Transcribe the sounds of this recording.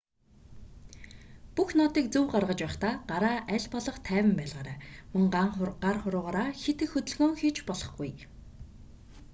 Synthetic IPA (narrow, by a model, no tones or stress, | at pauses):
puxnɔt̪iːk̚t͡suwɢarʁə̆t͡ɕpæχt̪aːɢaɾaːʔæɮpɔɮɞ̆χt̪ʰæːwə̆mpæːɮʁaːɾaːmɵ̆ŋɢaɴχɢarχʊɾʊːʁaːɾaːxet̪ɘ̆xɵt̪ɵ̆ɮɣoːŋxiːt͡ɕpɔɮɞ̆χɡuj